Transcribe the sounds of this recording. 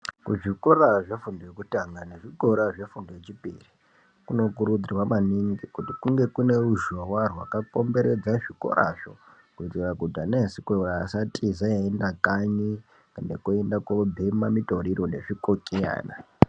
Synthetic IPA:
kṵʐikoɾaʐe̞fundojekutaŋɡane̞ʐiɡʱoɾaʐe̞fundojet͡ʃipḭri | kuno̞kuɾud͡zirwamaniŋɡikutikuŋɡe̞kune̞ruʒawarwa̰kako̞mbe̞ɾed͡zaʐiko̰ɾa̰ʐo̰ | kuitirakudʱanasikoraːsatʰʼizaaendakaɲi | kandekoendakobʱemamito̞ɾiɾone̞ʐikokʼeja̰ːna̰

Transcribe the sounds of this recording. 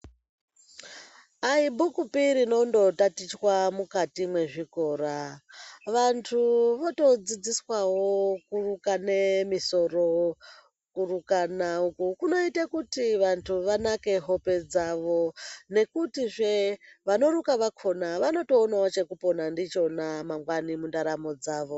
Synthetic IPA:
aibʱukupiɾino̞ndo̞tatit͡ʃwamukatimwe̞ʐiko̞ːɾa | ʋantʰuʋoto̞d͡zid͡ziswawokurukane̞miso̞ro̞ | kurukanaukukuno̞itakutiʋantʰuʋanake̞ɦo̞pe̞d͡zaʋo̞ne̞kutiʐe̞ʋano̞rukaʋakʰo̞naʋano̞toːnaot͡ʃe̞kupo̞nandit͡ʃo̞namaŋɡwanimundaɾamo̞d͡zaːʋo̞

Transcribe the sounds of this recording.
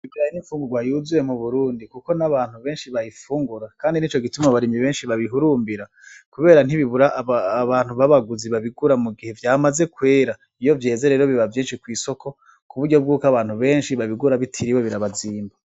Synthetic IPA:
iɡiɾajiniɱfuːŋɡuɡwajuzuje̞muβuɾuːndikuko̞naβaːn̥huβe̞ːnʃiβajifuːŋɡuɾakaːndinit͡ʃo̞ɡitumaβaɾimiβe̞ːnʃiβaβiɦuɾuːmbiɾa | kuβe̞ːɾan̥iβiβuɾaʔβaːn̥huβaβaɡuziβaβiɡuɾamuɡihe̞vjaːmaze̞kwe̞ːɾa | ijo̞vje̞ːze̞ɾeɾoβiβavjiːnʃikwiːso̞kʰo̞ | kuβuɾɟo̞b̚ɡuːkaβaːnhuβe̞ːnʃiβaβiɡuɾaβitʰiɾiweβiɾaβaziːmba

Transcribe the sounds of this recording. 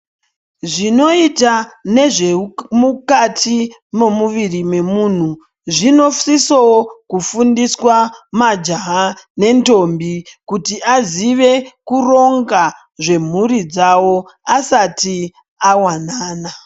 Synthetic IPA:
ʐino̞itane̞ʐemukatʰi | memuʋirime̞muːn̤u | ʐino̞fsisowokufundiswamad͡ʒaɦane̞nto̞mbikutiʔaziʋe̞kuro̞ŋɡa | ʐe̞m̤uɾid͡zawo̞asati | awanaːna

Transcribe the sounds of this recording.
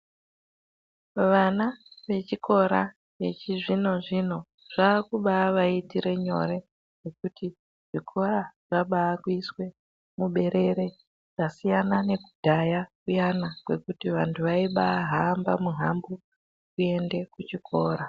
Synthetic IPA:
ʋanaʋe̞t͡ʃikʰo̞ɾa̰ | ʋe̞̰t͡ʃiʐino̞ʐino̞ | ʐ̥aːkuɓaːʋaitiɾe̞ɲo̞̰ɾe̞ | ʐe̞kuti | ʐ̥ikʰo̞raʐ̥aɓaːkuiswe̞ | muɓe̞ɾe̞ɾe̞ | ʐ̥asijanane̞kudʱajakujanakwe̞kutiʋantʰuʋaiɓaːɦaːmba̰muɦambu | kue̞nde̞kut͡ʃikʰo̞ːɾa

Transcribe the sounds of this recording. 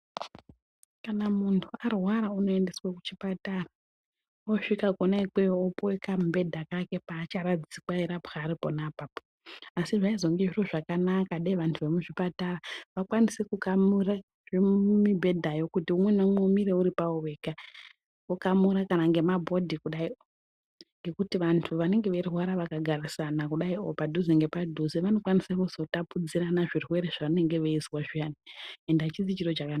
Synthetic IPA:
kanamuntʰuarwaɾauno̞ende̞swaku̥t͡ʃipatara | oʂikakonaik͡pejoopoekammbe̞dʱakake̞paːt͡ʃaɾad͡zisikwaiɾapxaːɾiponapapo | asiʐaizo̞ŋɡeʐiroʐakanakaɗaiʋantʰuʋe̞muʐipataraʋakwanise̞kukamura | ʐemibʱe̞dʱajo̞kutiumwe̞nemwemiɾe̞uɾipaoweːka | kokamuɾakanaŋɡe̞mabʱo̞dʱikuɗaio | ŋɡe̞kutiʋantʰuʋane̞ŋɡe̞ʋeriɦwaɾaʋakaɡʱarisanakuɗaio̞̰padʱuziŋɡe̞padʱuziʋano̞kwanisakuzo̞tapud͡ziranaʐirwe̞ɾeʐaʋane̞ŋɡe̞ʋeizwaʐianiendat͡ʃizit͡ʃiro̞t͡ʃakanaa

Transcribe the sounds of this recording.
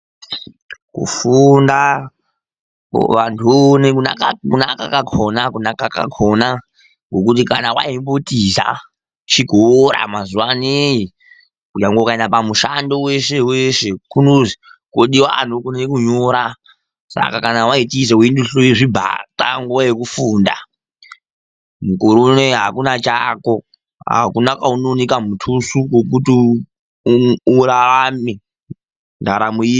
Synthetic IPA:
kṵfunda | ʋantʰunekuakakunakakakʰonakunakaka̰kʰona | ŋɡok̬utikanawa̰imbotiza̰ | t͡ʃiɡʱoɾa̰mazuwaneji | kujaŋɡoukaendapamuʃandoweʃeweʃekunozikoɗiwaa̰nokunekuɲoːɾa | sa̰kakanawaitiz̬euinduɬoiʐibʱa̰ta̰ŋɡuwajekufuːnda̰ | mukuɾuneɦakunat͡ʃako̞ | ɦa̰kunakaunonikamutʰusukokuti | uraami | ndaɾamui

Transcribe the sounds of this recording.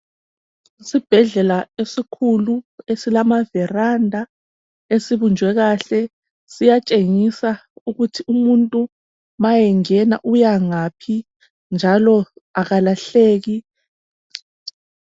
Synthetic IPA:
sib̥ʱɛɮɛlaesikʰuluesilamavɛrandʱa | esiβund͡ʒʱwɛɣaɬɛ | sijat͡ʃʼeŋisauɣutʰiumuntʼu | majɛŋɛna̰ʔujaŋapʰi | nd͡ʒʱalɔaɣalaɬeːɣi

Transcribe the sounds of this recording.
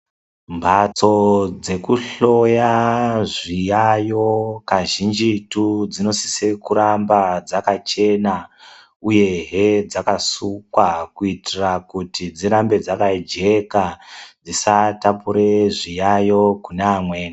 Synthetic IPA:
mbʱat͡so̞d͡ze̞kuɬo̞jaʐijajo̞kaʒind͡ʒitud͡zino̞si̥sekuɾambad͡zakat͡ʃe̞na | uje̞ɦed͡zakasukwakuitirakutid͡ziɾambe̞d͡zakad͡ʒe̞kad͡zisatapuɾeʐijajo̞kunaːmweːna

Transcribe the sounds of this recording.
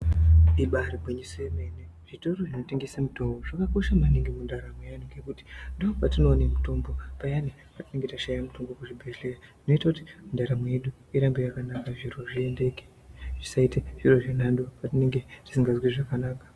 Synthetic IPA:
iɓaɾibʱweɲisojeme̞ne | ʐ̥ito̞ɾo̞ʐino̞te̞ŋɡe̞samuto̞mbo̞ʐakako̞ʃamaneŋɡemundaɾamwejanuŋɡe̞kuti̥ndoopatino̞ːnemuto̞mbo̞pajane | patine̞ŋɡe̞taʃajamuto̞mbokuʐibʱeɮeratino̞itakuti̥undaɾamwejeɗu | iɾambojakanakaʐiro̞ʐie̞nde̞ke̥ | ʐ̥isaiteʐ̥iro̞ʐinandopatine̞ŋɡe̞ti̥siŋɡazwiʐakanaːkḁ

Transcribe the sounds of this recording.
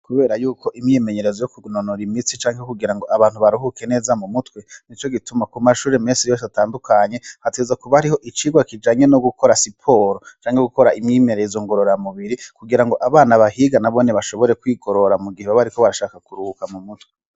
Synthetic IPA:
kuβe̞ːɾajuːko̞ʔimɲime̞ɲe̞ɾe̞zojokunonoɾimit͡sit͡ʃaːŋhekuɡiɾaŋɡo̞ʔaβaːn̥huβaɾuɦukene̞ːzamumutwe̞nit͡ʃo̞ɡitumakumaʃuːɾemeːnsijos̬ataːndukʰaɲe̞hateːzakuβahaɾiɦo̞ʔit͡ʃiːɡwakid͡ʒaːɲe̞noɡukʰo̞ɾasipʰo̞ːɾot͡ʃaːŋheɡuko̞ɾaimɲiːmeɾeizoːŋɡo̞ɾo̞ɾamuβiɾikuɡiɾaŋɡo̞ʔaβaːnaβahiɡanaβo̞neβaʃo̞βo̞ɾe̞kwiːɡo̞ɾo̞ɾamuɡiheβaβaɾiko̞βaɾaʃaːkakuɾuukamumutwe

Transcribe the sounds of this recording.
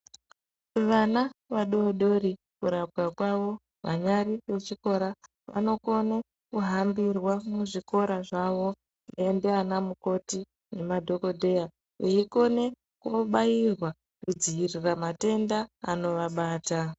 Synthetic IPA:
ʋanaʋaɗoːɗo̞ɾi | kuɾakwakwaʋo̞ | ʋa̰ɲaɾiʋe̞t͡ʃiko̞ɾa | ʋa̰no̞ko̞ne | kuɦambirwamuʐiko̞ɾaʐaʋo̞ | iendeanamuko̞ti | ne̞madʱo̞ko̞dʱe̞ja | ʋeiko̞ne̞ | koɓairwa | kud͡ziiriramate̞ndaːno̞ʋaɓaːta

